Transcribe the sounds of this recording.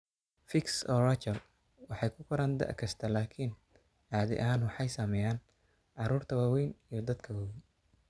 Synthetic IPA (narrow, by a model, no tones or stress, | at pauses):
fɪksɔːrɐt͡ʃɐl | wɑħɑjkʰʊkʰʊɾaːnd̪ɐ̰ʕkʰɐst̪ʰɐlaːkʰiːn | ʕaːðɛ̰ʔɐɦaːnwɑħɑjsamɛjaːn | ʕɑɾuːrt̪ʰɐwaːwɛjnijɞd̪ɐd̪kʰɐwaːwɛjn